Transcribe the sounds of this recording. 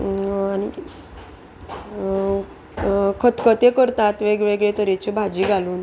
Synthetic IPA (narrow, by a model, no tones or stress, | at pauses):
ani | kʰət̪kət̪ekəɾt̪at̪ʋeɡɭeɡɭet̪əɾet͡ɕibʱad͡ʑiːɡʱaluːn